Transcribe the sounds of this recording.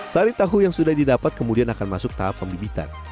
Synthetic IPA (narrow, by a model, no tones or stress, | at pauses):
saɾit̪aɦujaŋsudahdidapat̪̚kəmudianakanmasʊk̚t̪aɦapːəmbibit̪a̰n